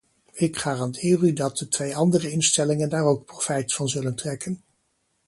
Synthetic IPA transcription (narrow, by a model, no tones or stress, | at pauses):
ɪkχaːrɑndɪːrydɑt̚dətʋejɑndərəɪnstɛlɪŋəndaːrowk̚profɛjtfɑnzɵləntrɛkən